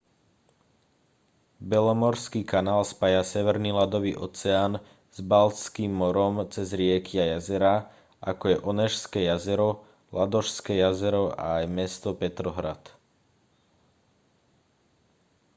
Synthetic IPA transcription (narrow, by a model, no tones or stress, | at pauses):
bɛlɔmɔɾskiːkanaːlspajasɛʋɛɾniːlad̪ɔʋḭːʔɔ̰t͡sɛaːn | z̥balt͡skiːmːɔɾɔmt͡sɛzɾɪɛkiajazɛɾa | ʔakɔjɛʔɔnɛʃskɛːjazɛɾɔ | lad̪ɔʃskɛːjazɛɾɔʔa̰ːjmɛst̪ɔpɛt̪ɾɔɦɾat̪